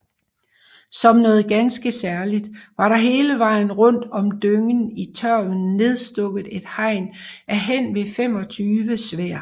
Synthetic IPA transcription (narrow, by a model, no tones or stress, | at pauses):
sɒ̽mnɔ̽ːð̩ˠɡ̥ænsɡ̥əsæɐlid̥ʋɑ̈ɾɑ̈ɦe̝ːləʋɑ̈ɪ̰n̩ʁɔ̽n̰d̥ɒ̽md̥øŋənit͡sʰɶɐ̰ʋən̩ːe̝ð̞ˠsd̥ɔ̽ɡ̥ð̩ˠe̝d̥hɑ̈ɪ̰næɦen̰ʋe̝fem̰ɒ̽t͡sʰyːʋəsʋeɐ̰